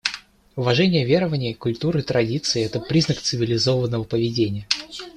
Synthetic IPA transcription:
ʊvɐʐɛnʲɪjəvʲe̞ɾəvənʲɪəkʊlʲt̪uɾɨit̪ɾɐdʲit̪sɨɪɛt̪əpɾʲiznəkt̪sɨvʲɪlʲɪzo̞vənːəvəpəvʲɪdʲenʲɪjə

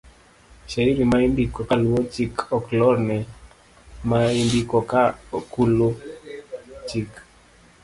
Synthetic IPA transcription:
ʃaiɾimaimbikɔkaluwɔt͡ʃikɔklɔɾnɛ | maimbikɔkakulo | t͡ʃik

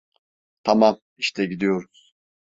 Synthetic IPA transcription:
t̪ʰamam | iʃt̪ʰɛɟid̪ijo̞ɾuz̥

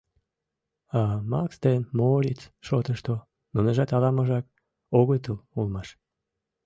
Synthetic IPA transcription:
ɑmɑkst̪enmoɾʲit͡sʃot̪əʃt̪o | munəʒɑt̪ɑlɑməʒɑk̚ | oɣojt̪əlulmɑʃ

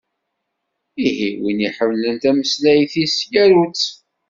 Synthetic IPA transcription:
iɦiwiniħəmːlənt̪æməslæjθisjæɾut͡sː

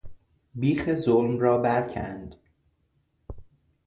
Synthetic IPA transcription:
biːxezolmrɒːbæɾcʰæ̰nd̪̥

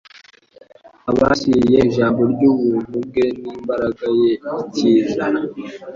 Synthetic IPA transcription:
aβasiijeiʒaːmbo̞ɾɟuːβuːn̥hub̚ɡeniːmbaɾaɡajeitizana

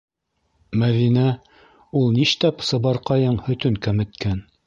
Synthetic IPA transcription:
mæðinæ | ulˠniʃt̪æpsɤ̆βɑɾqɑjɤɴhɵ̆t̪ɵŋkæmɘ̆t̪kæn

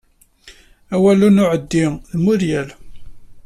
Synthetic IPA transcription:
æwælunʊʕəd̪ːiðmʊɾjæl

